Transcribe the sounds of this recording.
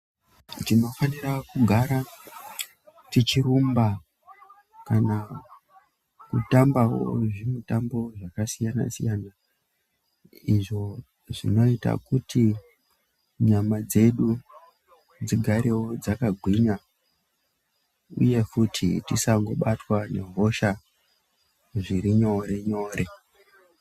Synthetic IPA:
tino̞fanirakuɡʱaɾa | tit͡ʃirumba | kana | kutambawo̰ʐimutambo̞ʐakasijana̰sijana | iʐo̞ | ʐḭno̞ita̰kutʰi | ɲamad͡ze̞ɗu | d͡ziɡʱaɾe̞wo̞d͡zakaɡʱwiɲa | ṵje̞futʰḭtisaŋɡo̞ɓatwane̞̰ɦo̞ʃa | ʐiɾiɲo̞ɾe̞ɲo̞ːɾe̞

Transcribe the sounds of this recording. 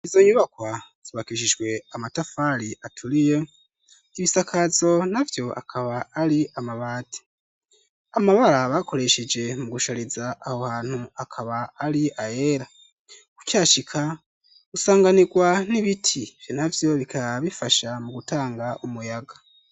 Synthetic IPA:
izo̞ɲuβakwaz̥iβakiʃ̬id͡ʒɡwe̞amatafaɾiʔatʰuɾije | iβisakʰazo̞navjo̞ʔa̰kʰaβaːɾiamaβaːti̥ | amaβaɾaβakʰo̞ɾe̞ʃed͡ʒe̞muɡuʃaɾizaʔːhohaːn̥huakʰaβaːɾiʔaje̞ɾa | kukjaːʃikʰa | usaːŋɡaniɡwaniβitʰiv̥jonavjo̞βikʰaβifaʃamuɡutaːŋɡaʔumujaɡa

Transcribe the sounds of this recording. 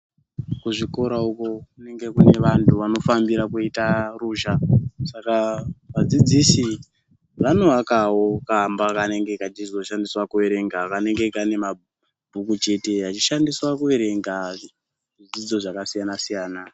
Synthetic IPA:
kuʐiko̞ɾauko̞kune̞ŋɡe̞kune̞ʋantʰuʋano̞fambiɾakuitaruʒasakaʋad͡zid͡zisi | ʋano̞akawokambakane̞ŋɡe̞kat͡ʃizo̞ʃandiswakue̞ɾe̞ŋɡakane̞ŋɡe̞kane̞ma | bʱukut͡ʃe̞te̞at͡ʃiʃandiswakue̞ɾe̞ŋɡa | ʐid͡zid͡zo̞ʐakasijanasijaːna

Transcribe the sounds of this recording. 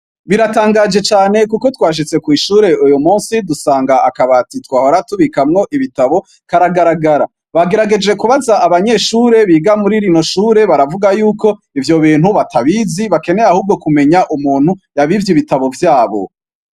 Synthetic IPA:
βiɾataːŋɡaːd͡ʒe̞t͡ʃaːne̞kuko̞twaːʃ̬it͡se̞kwiːʃuːɾe̞ujomuːnsidusaːŋɡaakaβatitwaːhoɾatuβikamŋo̞ʔiβitaβo̞ | kaɾaɡaɾaɡaɾa | βaɡe̞ɾaɡe̞d͡ʒe̞kuβazaaβaɲe̞ʃuːɾe̞βiːɡamuɾiɾino̞ʃuːɾe̞βaɾavuɡajuːko̞ | ivjo̞βiːn̥huβatʰaβiziβake̞ne̞ahuːb̚ɡo̞kume̞ɲaʔumuːn̥hujaβivjiβitaβo̞vjaːβo̞̰

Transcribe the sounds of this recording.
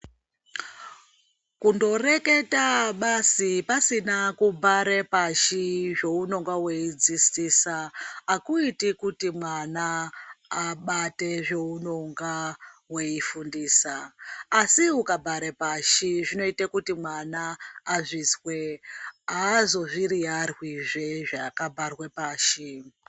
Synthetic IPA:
kundo̞re̞ke̞taɓasipasinakubʱaɾepaʃiʐe̞uno̞ŋɡawe̞id͡zistiːsaːkuitikutimwanaː | ɓate̞ʐe̞uno̞ŋɡawe̞ifundiːsaː | siukabʱaɾepaʃiʐino̞itakutimwanaːʐiːswe̞ɦaːzo̞ʐiriarwiʐeʐakabʱarwepaːʃi

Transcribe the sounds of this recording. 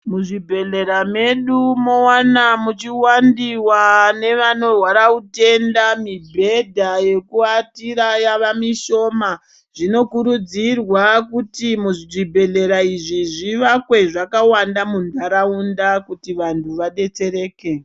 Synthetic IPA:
muʐibʱe̞ɮe̞ɾame̞ɗumowanamut͡ʃiwandiwane̞ʋano̞rwaɾaute̞ndamibʱe̞dʱaje̞kuatiɾajaʋamiʃo̞ma | ʐ̥ino̞kuɾud͡zirwakutimuʐibʱe̞ɮe̞ɾaiʐiʐiʋakwe̞ʐakawandamundaɾaundakutiʋantʰuʋaɗe̞t͡se̞ɾe̞ːke̞

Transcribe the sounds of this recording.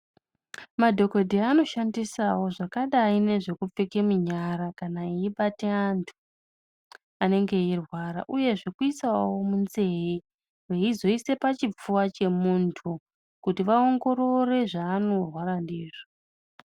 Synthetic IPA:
madʱo̞kodʱiano̞ʃandisawo̞ʐakaɗaine̞ʐe̞kup͡fekemuɲaɾakanaiiɓateantʰu̥ | ane̞ŋɡe̞irwaɾa̰ʔuje̞ʐikuit͡sawomunze̞ji | reizo̞ise̞pat͡ʃip͡fuwat͡ʃe̞muntʰu | kutiʋao̞ŋɡo̞ɾo̞re̞ʐaːno̞rwaɾandiːʐo

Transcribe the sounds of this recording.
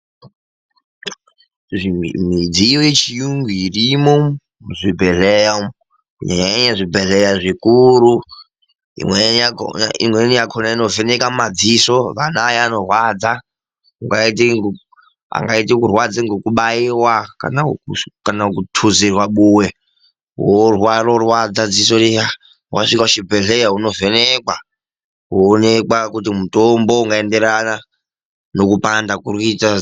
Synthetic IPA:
ʐimid͡zijojet͡ʃijuŋɡiirimo | muzibʱeɮeja | kuɲaɲaeɲaʐibʱeɮejaʐikuɾu | ḭmwḛ | ḭmwenijakʰonaino̞venekamad͡zisoʋanaːjano̞rwad͡za | kuŋɡaitiŋ | a̰ŋɡaitikurwad͡ziŋɡokuɓaiwaka̰nakanakutʰuzirwaɓuwe | worwarorwad͡zad͡zis̬otia | waʂikauʃibʱeɮejauno̞venekwa | koːnekwakutimutombo̞uŋɡaendeɾana | no̞kupandakurita

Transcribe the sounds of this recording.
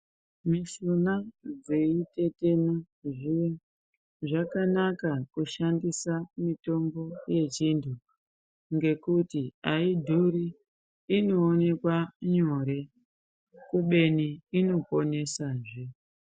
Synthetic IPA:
misunad͡zeite̞te̞na | ʐijo | ʐakanakakuʃandisamito̞mbo̞je̞t͡ʃindʰu | ŋɡe̞kutiaidʱuɾiː | no̞ːne̞kwaɲoɾe̞ | kuɓe̞niino̞po̞ne̞saʐe

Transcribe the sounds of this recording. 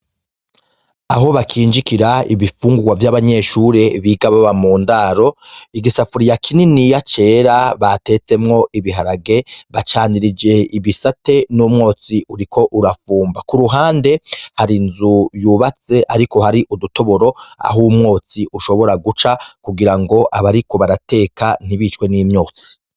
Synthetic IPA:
aɦo̞βakʰiːnd͡ʒikiɾaḭβifuːŋɡuɡwavjaβaɲe̞ʃuːɾe̞βiːɡaβaβamuːndaɾo̞iɡisafuɾijakʰininijat͡ʃe̞ːɾaβate̞t͡se̞mŋo̞ʔiβiɦaɾaɡe̞βat͡ʃaːniɾid͡ʒe̞iβisate̞numŋo̞ːt͡siuɾikʰo̞ʔuɾafuːmbakuɾuɦaːnde̞haɾinzujuːβat͡se̞ʔaɾiko̞haɾiʔuduto̞βo̞ɾo̞a̰ɦumŋo̞ːt͡siʔuʃo̞βo̞ɾaɡut͡ʃakuɡiɾaŋɡo̞ʔaβaɾiko̞βaɾate̞ːkan̥iβiːt͡ʃwe̞niːmɲo̞ːt͡si̥

